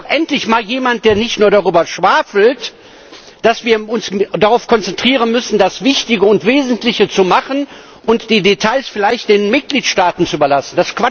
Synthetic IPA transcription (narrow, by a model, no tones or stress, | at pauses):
ʔɛntlɪçmaːljeːmant̚d̥eːɐnɪçtnuːɐdaʁyːbɐʃv̥aːfl̩t | d̥asv̥iːɐʊnsdaʁaʊfkʰɔnt͡sɛntʁ̥iːʁ̞ənmʏsn̩dasv̥ɪçtɪɡəʊntv̥eːzn̩tlɪçət͡sumaχən | ʔʊntd̥iːdetʰaɪlsfɪlaɪçt̚d̥eːnmɪt̚ɡ̥liːtʃtaːtn̩t͡suyːbɐlasn̩d̥askv̥a